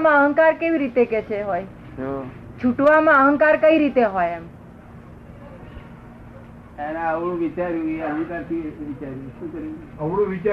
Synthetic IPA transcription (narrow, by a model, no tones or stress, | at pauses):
mãəɦəŋkaɾkeʋiɾit̪eket͡ʃʰeɦoj | ot͡ʃʰuʈʋamãəɦəŋkaɾkəiɾit̪eɦojɛm | enaəʋɽũʋit͡ʃaɾjũɡənikaɾt̪ʰiʋit͡ʃaɾjũʃũkəɾi | əmɽõʋit͡ʃ